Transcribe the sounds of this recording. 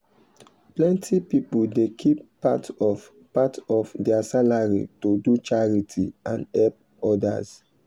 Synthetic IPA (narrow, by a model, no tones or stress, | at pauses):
plɛ̃ntʰipipuldekʰipː | atɔ | patɔfdɛasalaɹḭtodut͡ʃaɹitʰḭãnɛp̚ | ɔda̰z